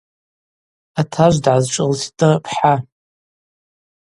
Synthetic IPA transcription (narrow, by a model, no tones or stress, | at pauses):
atʰaʒʷdʕazt͡ʃʷʼɨlstʼɨpʰħa